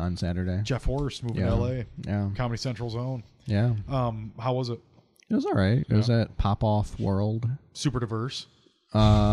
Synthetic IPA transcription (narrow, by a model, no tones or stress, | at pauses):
ə̃nsæɾə˞ɾeɪ̥d͡ʒɛfhɔɹɨstmuvj̃æ̃ɛlˠeɪjækʰɑməɾisɛ̃nt͡ʃɹ̥l̩ˠzõʊ̃n | jæʌ̃mhaʊwʌzɨt̚ | wʌzɹaɪtʌzɨt̚pʰɑpɔfwɜ˞lˠd̥sʉpə˞dɨvɜ˞s | ʌ